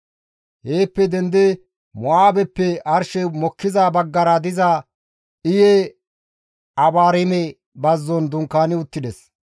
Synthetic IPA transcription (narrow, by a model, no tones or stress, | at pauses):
heːpːɛd̪ɛnd̪ɛ | mɔaːbɛpːɛɐɾʃɛmɔkːɪzaːbɐɡːɐɾɐd̪ɪza | ɪjɛ | ɐbaːɾɪmɛ | bɐzːɔnd̪ʊŋkːaːnɪʊt̪ːɪd̪ɛs